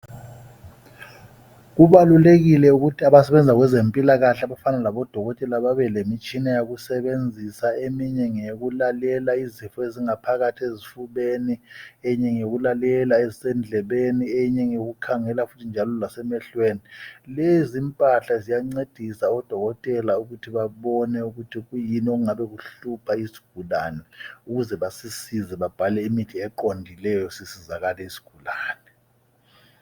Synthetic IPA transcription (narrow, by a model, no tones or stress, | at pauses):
ɣuβaluleɣilɛuɣutʰiaβasɛβɛnd͡zʱaɣwɛzempʼilaɣaɬɛaβafanalaβɔd̥ʱɔɣɔtʼɛlaβaβɛlemit͡ʃʼinajaɣusɛβend͡zʱisaemiɲɛŋeɣulalɛlaizifɔeziŋapʰaɣatʰiezifuβeniɛɲɛŋeɣulalɛlaezisɛnd͡ɮʱɛβeniɛɲɛŋoɣukʰaŋɛlafutʰind͡ʒʱalɔlasɛmɛɬwenilezimpʼaɬazijaŋ͡ǀed̥ʱisaɔd̥ʱɔɣɔtʼɛlauɣutʰiβaβɔnɛuɣutʰiɣujinioɣuŋaβɛɣuɬupʰaisi̥ɡ̥ʱulaːnɛuɣuzɛβasisizɛβab̥ʱalɛimitʰiɛǃondʱilɛjɔsisizaɣalɛisi̥ɡ̥ʱulaːnɛ